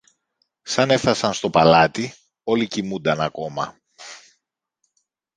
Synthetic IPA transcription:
sɐne̞fθɐsɐnst̪o̞pɐlɐt̪i | o̞licimund̪ɐnɐko̞mɐ̰

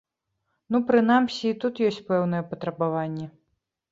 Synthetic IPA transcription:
nupɾɨn̪amsʲiːt̪ut̪jɔsʲt͡sʲpɛwnɨjɛpɐt̪ɾɐbavanʲːɛ

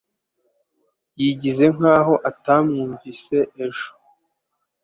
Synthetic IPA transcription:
jiɟize̞ŋ̥aːɦo̞ʔatamŋuːɱvise̞ʔeʒo̥

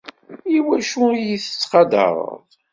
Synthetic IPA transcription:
iwæʃujiθə̥t͡sːqɑd̪ə̰ɾˤə̰ðˤ

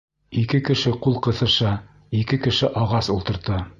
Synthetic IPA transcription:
ikɘkɘ̆ʃɘqulˠqɤ̆θɤ̆ʃɑ | ikɘkɘ̆ʃɘʔɑʁɑsulˠt̪ɤ̆ɾt̪ɤ

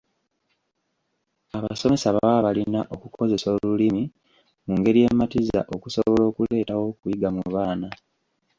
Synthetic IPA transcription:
aβaso̞me̞saβaaβalinaʔo̞kukʰo̞ze̞so̞ːlulimi | muŋɡe̞ɾijematiza̰ʔo̞kuso̞βo̞lo̞ːkule̞ːtawo̞kuiɡamuβaːna

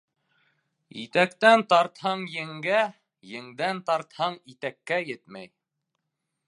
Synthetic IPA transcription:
it̪ækt̪ænt̪ɑɾt̪hɑɴjɘ̆ŋɡæ | jɘ̆ŋd̪ænt̪ɑɾt̪hɑɴit̪ækːæjɘt̪mæ̰j

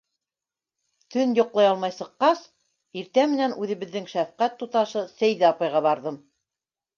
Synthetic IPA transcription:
t̪ɵnjŏqlˠɑjɑlˠmɑjsɤ̆qːɑs | iɾt̪æmɘ̆nænʉðɘ̆βɘ̆ðːɘŋʃæfqæt̪ːut̪ɑʃɤsæjðɘɑpɑjʁɑβɑɾðɤm

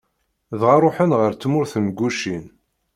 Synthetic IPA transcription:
ðʁaɾˤoħənʁəɾt͡sːmʊɾθəmɡʷːuʃin

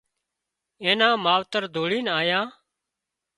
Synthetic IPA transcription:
ẽːnãːmaːʋt̪əɾd̪ʱoːɽiːnaːjãː

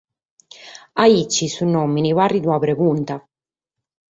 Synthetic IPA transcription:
ait͡ʃːisunːomːinivarid̪uabɾeɡunt̪a

